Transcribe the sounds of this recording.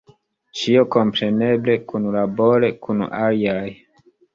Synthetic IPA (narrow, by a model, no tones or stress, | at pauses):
t͡ʃiokompɾene̞blekunlaboɾekʰun̰aliaj